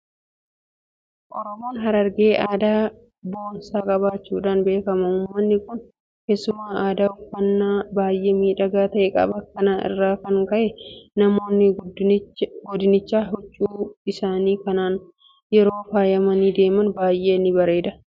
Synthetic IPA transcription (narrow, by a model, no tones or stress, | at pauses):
ʔɔɾɔmoːnɦɐɾɐɾɡe̞ːʔaːd̪aː | bo̞ːnsaːkʼɐbaːt͡ʃːuːᶑaːnbe̞ːkɐmɐʊːmmːɐnːɪkʊn | keːsːʊmaːʔaːd̪aːʊfːɐnːaːbaːjʔe̞ːmiːᶑɐɡaːt̪ɐʔɛkʼɐ̰bɐkːɐnaːnʔɪ̰rːaːkɐŋkɐʔɛnɐmo̞ːnːɪ | ɡɔd̪ɪnɪt͡ʃːaːɦɔt͡ʃʼːuːɪsaːniːkɐnaːn | jɛɾo̞ːfaːjɐmɐniːd̪e̞ːmɐnbaːjʔe̞ːnːɪbɐɾe̞ːd̪ɐ